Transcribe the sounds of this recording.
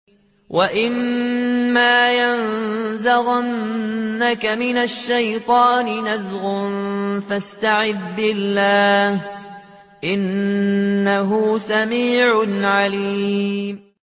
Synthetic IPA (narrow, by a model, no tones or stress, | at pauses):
wʔaʔɪmː | aːjanzaɣanːakamɪnaʃːajt̪ˤɑːnɪnazɣʊnfast̪aʕɪðbɪlːaːh | ʔɪnː | aɦʊsamiːʕʊnʕaliːmmm